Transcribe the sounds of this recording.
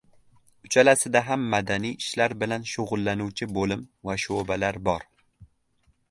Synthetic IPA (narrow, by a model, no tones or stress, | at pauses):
ʊt͡ʃʰalasɪd̪aɦamːad̪anijɪʃlaɾbɪlanʃʊʁʊlˠːanʊwt͡ʃʰɪbolɪmvaʃobalaɾbɒɾ